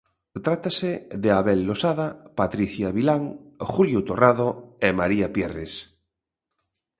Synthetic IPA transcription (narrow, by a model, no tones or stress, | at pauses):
t̪ɾat̪aseðeaβelːosaðapat̪ɾiθjaβilaŋxuljot̪oraðoemaɾiapjeres